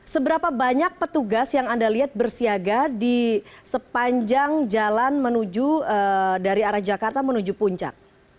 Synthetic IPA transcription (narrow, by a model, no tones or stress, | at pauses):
səbəɾapabaɲak̚pət̪uɡasjaŋandaliɦat̪̚bərsiaɡadi | səpaɲd͡ʒaŋd͡ʒalanmənud͡ʒuədaɾiaɾahd͡ʒakart̪amənud͡ʒupuɲt͡ʃa̰k̚